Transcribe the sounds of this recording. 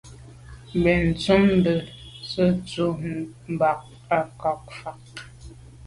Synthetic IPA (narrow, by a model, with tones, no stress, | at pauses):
bɛ˨n̩˨t͡su˦m˦bə˨ | sə˦t͡su˨m˨ba˨k̚ | a˨kɔ˨k̚fa˨k̚